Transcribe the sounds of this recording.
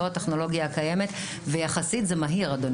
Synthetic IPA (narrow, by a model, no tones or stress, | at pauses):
oateχno̞lo̞ɡjakaje̞me̞t̪ | vejaχasitzemaɦiʁad̪on